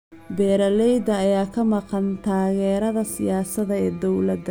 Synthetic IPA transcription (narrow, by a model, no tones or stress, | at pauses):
bɛːɾɐlɛjd̪ɐːjaːkʰɐmɑqɑnt̪ʰaːɣɛːɾɐðɐsɪjaːsɐðɐɛːd̪ɔwlɐd̪ɐ